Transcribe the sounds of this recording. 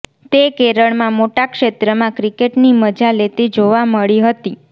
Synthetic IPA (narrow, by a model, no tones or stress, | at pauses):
t̪ekeɾəɭmãmoʈakʃet̪ɾəmãkɾikeʈniməd͡ʒalet̪id͡ʒoʋaməɭiɦət̪i